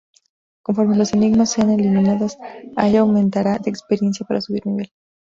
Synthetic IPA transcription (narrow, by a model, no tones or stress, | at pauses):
ko̞ɱfo̞ɾmelo̞se̞niɣmasːeane̞limĩnaðosaeʎaːwmẽnt̪aɾaðeːkspeɾje̞nsjapaɾasuβiɾniβe̞l